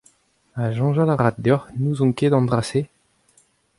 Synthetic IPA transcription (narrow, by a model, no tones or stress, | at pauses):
aʒɑ̃ʒalaʁat̚d̪œʁnuzɔ̃ked̪ɑ̃d̪ʁase